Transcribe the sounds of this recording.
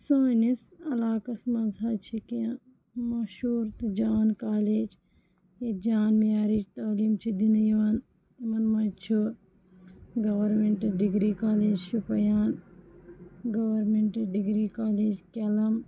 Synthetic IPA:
soːnisɐlaːkɐsmɐnzaːt͡ʃʰikijã | mɐʃuːɾt̪ɨd͡ʒaːnkaːleːd͡ʒ | ed͡ʒaːnmijaːɾid͡ʒt̪ɐːliːmt͡ʃʰid̪injɐʋɐn | mɐnmɐt͡ʃʰu | ɡɐʋɐɾmẽɳʈɐɖiɡɾiːkaːleːd͡ʒʃupɐjaːn | ɡɐʋɐɾmeɳʈɖiɡɾiːkaːleːd͡ʒkɐlɐm

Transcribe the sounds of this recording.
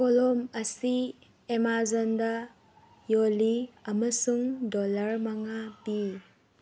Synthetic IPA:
kɔlɔmɐsi | emazɔnda | joliɐmɐsuŋdɔlɐɾmaŋabi

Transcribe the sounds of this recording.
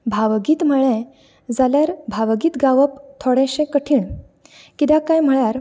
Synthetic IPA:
bʱaʋəɡiːt̪m̤əɭẽ | d͡zaljaɾbʱaʋəɡiːt̪ɡaʋəpt̪ʰoɽɛ̃ɕẽkəʈʰiːɳ | kit̪ãkajm̤əɭjaɾ

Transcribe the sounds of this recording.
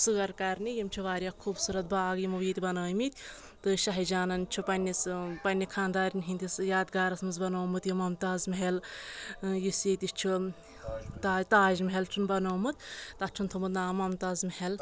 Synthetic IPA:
sɨɡɐɾkɐɾnijimt͡ʃʰuʋaːɾʲjakʰuːbsuɾɐt̪̚baːɡjimɐʋiːt̪ʲibɐnaːjmit̪ʲ | t̪ɨʃɐɦɐd͡ʒaːnɐnt͡ʃʰupɐnʲːispɐnʲːikʰaːnd̪aːɾʲinɦinʲt̪ʲisjaːd̪ɡaːɾɐsmɨnzbɐnoːmɨt̪jimɐmt̪aːzmɦel | jisjet̪ist͡ʃʰu | t̪at̪aːʒmɦelt͡ʃʰunbɐnoːmɨt̪t̪ɐt͡ʃʰunt̪ʰumɨt̪naːmɐmt̪ɐzmɐhel

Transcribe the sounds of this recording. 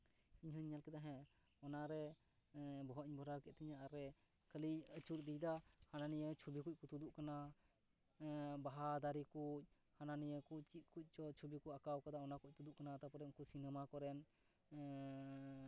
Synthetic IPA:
iɲɦɔɲːalkɛd̪aɦɛ̃ | ɔnaɾɛ | bɔɦɔʔiɲbʱɔɾawkɛt̪̚t̪ʰɛɲaaɾɛ | kʰəliət͡ʃuɾd̪ijd̪ahananijət͡ʃʰubikuc̚kut̪ud̪uʔkana | baɦad̪aɾikuc̚ | hananijəkuc̚t͡ʃit̪̚kuc̚ˀt͡ʃɔt͡ʃʰubikuʔakawkad̪aɔnakuc̚t̪ud̪uʔkanat̪apɔɾɛunkusinɛmakɔɾɛn

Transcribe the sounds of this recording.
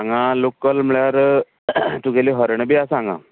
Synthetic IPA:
aŋɡãlokːəlmɭjaɾ | t̪uɡeliɦəɾɳəbiasãŋɡã̰

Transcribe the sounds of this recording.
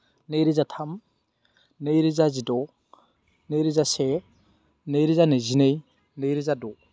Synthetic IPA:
nejɾizatʰam | nejɾizazidɔ | nejɾizase | nejɾizanezinej | nejɾizadɔ

